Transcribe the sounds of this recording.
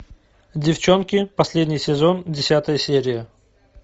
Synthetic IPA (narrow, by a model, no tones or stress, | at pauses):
dʲɪft͡ɕo̞nkʲɪpɐsʲlʲedʲnʲɪjsʲɪzo̞ndʲɪsʲat̪əjəsʲeɾʲɪjə